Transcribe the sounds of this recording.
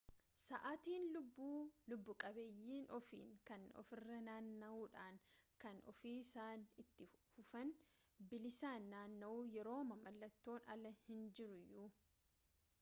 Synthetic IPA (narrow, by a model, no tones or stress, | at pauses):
sɐʔaːt̪iːnlʊbːuːlʊbːʊkʼɐbeːjːiːnʔɔfḭːŋkɐnɔ̰fɪrːɐnaːnːɐʔuːᶑaːŋkɐnʔɔ̰fiːsaːnɪt̪ːɪfʊfɐn | bɪlɪsaːnːaːnːɐʔuːjɛɾo̞ːmɐmɐlːɐt̪ːo̞ːnɐ̰lɐhɪnd͡ʒɪɾʊjʊ